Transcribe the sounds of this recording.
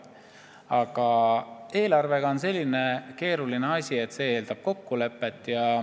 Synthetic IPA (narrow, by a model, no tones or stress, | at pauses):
ɑɡ̥ɑe̞ːlɑrve̞ɡ̥ɑonse̞lʲːine̞ke̞ːɾulineɑsʲie̞t̪ːse̞ːe̞ːld̪̥ɑb̥̚ko̞kːule̞pːˑe̞t̪ːˑjɑ